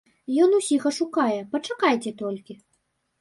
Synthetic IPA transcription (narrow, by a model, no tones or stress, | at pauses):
jɔnusʲixɐʂukajɛpɐt͡ʂakajt͡sʲɛt̪ɔlʲkʲi